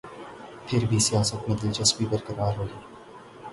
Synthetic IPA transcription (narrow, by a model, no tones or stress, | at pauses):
pʰɪɾbʱisijaːsət̪med̪ɪt͡ʃɐsbibəɾkɐɾaːɾɦoːiː